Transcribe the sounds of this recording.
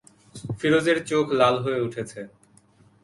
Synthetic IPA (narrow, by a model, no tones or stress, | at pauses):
fiɾod͡ʑeɾt͡ɕokʰlalɦoeuʈʰet͡ɕʰe